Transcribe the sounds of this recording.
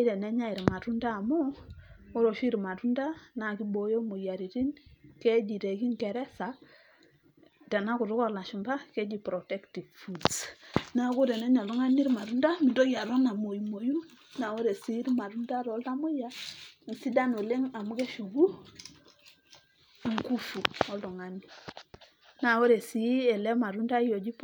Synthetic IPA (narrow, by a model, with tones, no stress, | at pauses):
dɛ˨nɛ˦ɲa˦i˨ɾma˨ɾu˦ndaː˦˨mu˦o˦ɾo˨ʃi˦ɾma˨tu˦nda˦na˨ki˦bo˨jo˦mo˨ja˨ɾi˨ɾi˦nke˦d͡ʒi˨ɾe˨ki˦ŋke˨ɾɛ˦sa˨ | ta˨na˦ku˨ɾu˦kɔ˦la˨ʃu˨mba˦ke˦d͡ʒi˨pɾo˨tɛ˦kti˨vfu˨dsna˦ɡu˦ɾɛ˨nɛ˦ɲa˨lu˦ŋa˦ni˦ɾma˨ɾu˦nda˦mi˨do˦ɡja˨ɾo˦na˨mo˨ji˨mo˨ju˦n | na˨wo˦ɾe˨si˦ɾma˨ɾu˦nda˦ɾɔ˨˦lta˦mo˦ja˦n˨si˦da˦no˨le˦ŋa˨mu˦ke˦ʃu˨ɡu˦˨ | ŋku˦fu˨ɔ˦ldɔ˨ŋa˨ni˨ | na˨wo˦ɾe˨si˨˦ɛ˨lɛ˦ma˨ɾu˦nda˦jo˨d͡ʒi˦p